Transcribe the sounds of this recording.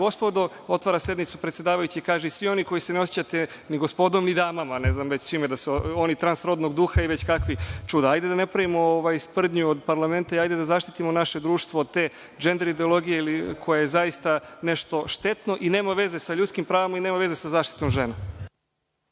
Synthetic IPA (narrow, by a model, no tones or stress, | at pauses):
ɡo̞spod̪o | o̞t̪ʋaɾasje̞d̪nit̪supɾet̪sʲjed̪aːʋajut͡ɕiikaːʒeisʋio̞niko̞jiseneo̞sji̥t͡ɕat̪e | niɡospo̞d̪omnid̪aːmamaneznamʋet͡ɕt͡ʃiːmed̪aseonit̪ɾansɾo̞d̪noɡd̪uxaiʋe̞t͡ɕkakʋit͡ʃud̪aajd̪e̞d̪anepɾaʋimooʋajspr̩d̪ɲuod̪paɾlˠame̞nt̪aiajd̪e̞d̪azaːʃt̪it̪imo̞naʃe̞d̪ɾuːʃt̪ʋoːd̪̚t̪e̞ː | d͡ʒe̞nd̪eɾid̪eolˠo̞ɡijeilikʰo̞jajezaist̪ane̞ʃt̪o̞ʃt̪e̞t̪no̞ʔine̞ːmaʋe̞ze̞saʎut̪skimpɾaːʋamaineːmaʋe̞zesazaːʃt̪i̥t̪omʒena